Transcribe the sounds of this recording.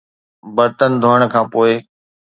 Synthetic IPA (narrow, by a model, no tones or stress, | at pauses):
bɐɾt̪ənɪ̆d̪ʱoːəɽ̃kʰãːpoːɪ